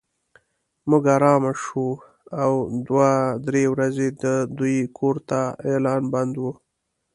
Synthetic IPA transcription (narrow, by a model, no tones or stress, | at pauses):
mʊɡaɾɑmaʃu | awd̪wad̪ɾewɾazed̪əd̪ujkʰoɾt̪aelɑːnband̪wu